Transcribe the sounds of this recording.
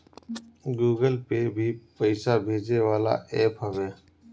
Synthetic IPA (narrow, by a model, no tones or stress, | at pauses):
ɡuːɡəlpebʱiːpəɪsaːbʱeːd͡ʒeːʋaːla̰ːʔeːpɦəʋeː